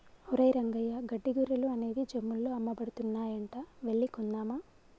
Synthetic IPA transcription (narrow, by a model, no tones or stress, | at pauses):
uɾɐjɾɐŋɡɐjɐɡɐɖːiɡuɾɐluɐne̞ːd̪id͡ʒemːulːoːɐmːɐbɐɽut̪unːaːjɐɳʈɐʋeɭːikɔnːaːma